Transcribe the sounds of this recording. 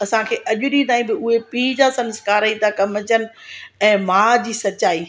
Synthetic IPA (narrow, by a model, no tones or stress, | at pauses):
ɐsãkʰeːʔɐʄʊɗĩt̪aːĩbɪʊɦepiːd͡ʑaːsɐ̃nskaːɾaĩt̪akɐmət͡ɕənɪ̆ɛ̃ːmaːd͡ʑiːsɐt͡ɕaːiː